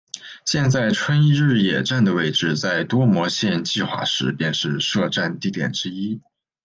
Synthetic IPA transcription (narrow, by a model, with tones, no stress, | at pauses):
ɕjɛ˥˧nt͡sa˥˩ɪʈ͡ʂʰwə˥ni˥˧ɻɻ̩˥˩jɛ˨˩ʈ͡ʂa˥˩nd̪ə˩we˥˧ɪʈ͡ʂɻ̩˥˧t͡sa˥˩ɪt̪wɔ˥mwɔ˧˥ɕjɛ˥˧nt͡ɕi˥˧xwa̰˥˩ʂɻ̩˧˥pjɛ˥˧nʂɻ̩˥˧ʂɤ˥˧ʈ͡ʂa˥˧nt̪i˥˩t̪jɛ̰˨˩nʈ͡ʂɻ̩˥i˥